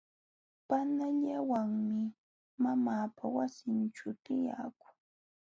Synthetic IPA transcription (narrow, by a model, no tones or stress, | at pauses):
panaʎawaŋmɪ | mamaːpawasɪnʈ͡ʂʊt̪ɪja̰ːkʊŋ